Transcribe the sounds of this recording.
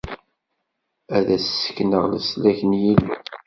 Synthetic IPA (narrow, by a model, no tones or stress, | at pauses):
æðæsːə̥kːnəʁləslæçənjilːu